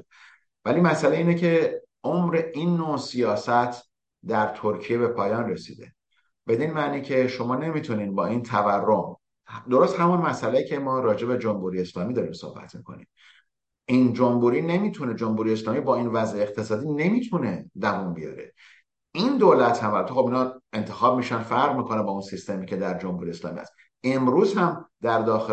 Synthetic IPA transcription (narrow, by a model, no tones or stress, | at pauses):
væliːmæsæleiːnecʰe̞ | ʔomɾe̞ʔinːosijɒːsæt̪ʰ | d̪æɾt̪ʰoɾcʰije̞be̞pʰɒːjɒːnresḭːd̪e̞̰ | b̥e̞d̪inmæʔniːcʰe̞ʃo̞mɒːne̞mit̪ʰuniːnbɒːint̪ʰæværːom | d̪o̞ɾo̞st̪hæmunmæsæleicʰemɒːɾɒːd͡ʒe̞bed͡ʒo̞mhuɾiːeslɒːmid̪ɒːɾiːmso̰hbæ̰t̪ʰmikʰo̞̰nḭm | ʔind͡ʒombuːɾiːne̞miːt̪ʰune̞d͡ʒomhuɾijeslɒːmiːbɒːinvæzeeq̚t̪ʰe̞sɒːd̪iːne̞miːt̪ʰuned̪æmunbijɒ̰ɾe | ind̪oːlæt̪hæmbæɾt̪exo̞binhɒent̪ʰexɒːb̚miːʃænfæɾʁmiːkʰo̞nebɒːunsist̪emicʰe̞d̪æɾd͡ʒomhuɾie̞slɒ̰ːmḭæ̰st̪ | e̞mɾuːzhæmd̪̥æɾd̪ɒːxe